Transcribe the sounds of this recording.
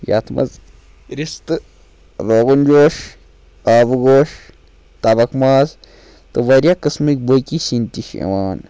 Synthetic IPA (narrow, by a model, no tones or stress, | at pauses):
ja̰t̪ʰmʔɐ̰z | ɾist̪ɨ | ɾoːɡund͡ʒoːʃ | aːbɡoːʃ | t̪ɐbɐkmaːz | t̪ɨʋɐɾʲjakɨsmik̚bojkisinʲt̪iʃḛʋaːn